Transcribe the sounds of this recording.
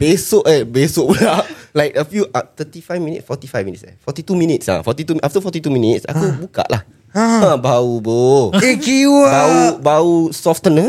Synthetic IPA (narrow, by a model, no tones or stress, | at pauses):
b̥esoʔɛbesoʔbudaʔ̚lajk̚əfjuʔat̪ətifajvminḭtsfɔt̪ifajvmĩnitsɛ̰fɔt̪it̪umĩnitsã̰fɔt̪it̪uʔaft̪əfɔtituminitsa̰kubuka̰ʔlʔah | aãbauboekiwabaubausɔftənə